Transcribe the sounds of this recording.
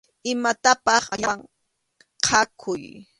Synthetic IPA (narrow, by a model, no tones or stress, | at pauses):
ɪmat̪apɑχaʎawŋ | qʰakʰʊj